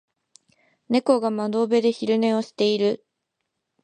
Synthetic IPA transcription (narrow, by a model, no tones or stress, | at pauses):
ne̞ko̞ɡamad̪o̞ːbe̞d̪e̞çiɾɯ̟ne̞osi̥t̪e̞iɾɯ̟